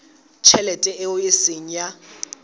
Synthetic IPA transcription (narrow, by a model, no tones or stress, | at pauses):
t͡ʃʰɛlɛtʼɛɛʊjɪsɪŋ̩ja